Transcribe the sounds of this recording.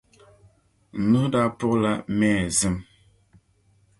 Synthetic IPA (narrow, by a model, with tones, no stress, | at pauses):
nu˦da˦pɔ˦la˦mɛ˦˨zə˦m